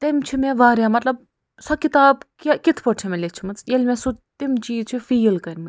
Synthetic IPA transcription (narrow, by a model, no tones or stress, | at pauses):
t̪emt͡ʃʰimeʋaːɾʲamɐt̪lɐb̚ | sɐkit̪aːbkakit̪ʰpoʈʰemelet͡ʃʰumɐt͡sjelʲmesut̪imt͡ʃiːt͡ʃʰifiːlkɐɾʲmɐ